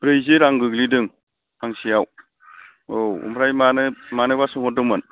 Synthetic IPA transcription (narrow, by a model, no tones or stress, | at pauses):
bɾejzeɾaŋɡɯɡlidɯŋ | aŋsijaw | owṵmɾajmanɯmanɯbasɯŋhɔdɯmɯn